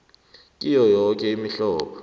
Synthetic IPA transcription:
kʼijɔjɔk̬ʼɛimiɬɔːɓɔ

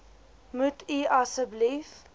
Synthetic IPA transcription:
mutʰiʔasəblif

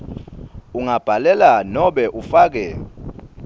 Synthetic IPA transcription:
uŋab̥ʱalɛlanɔɓɛʔufaːk̬ɛ

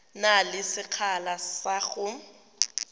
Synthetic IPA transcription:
nalɪsɪk͡xʰalasaɣʊ

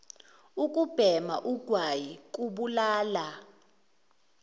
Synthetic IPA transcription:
ukʼub̥ʱɛma̰ʔuɡ̥ʱwajik̬ʼuɓulaːla

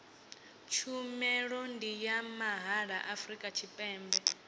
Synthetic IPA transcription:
t͡ʃʰumɛɺɔndijamaɦaɺaʔafɾikʼat͡ʃʰipʼɛːmbɛ

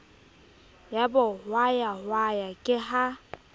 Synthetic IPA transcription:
jabɔwajahwajakʼɪɦa

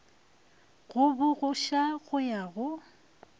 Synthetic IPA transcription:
ɣʊbʊɣʊʃaɣʊjaɣʊ

